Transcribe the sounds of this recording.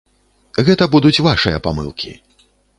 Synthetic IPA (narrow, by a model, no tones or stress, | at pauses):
ɣɛt̪ɐbud̪ut͡sʲvaʂɨjɐ̰pamɨ̰lˠkʲḭ